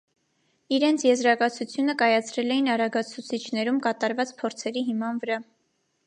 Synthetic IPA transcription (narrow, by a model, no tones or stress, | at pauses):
iɾɛnt͡sʰjɛzɾɑkɑt͡sʰut͡sʰjunəkɑjɑt͡sʰɾɛlɛjinɑɾɑɡɑt͡sʰut͡sʰit͡ʃʰnɛɾumkɑt̪ɑɾvɑt͡spʰɔɾt͡sʰɛɾiɦimɑnvəɾɑ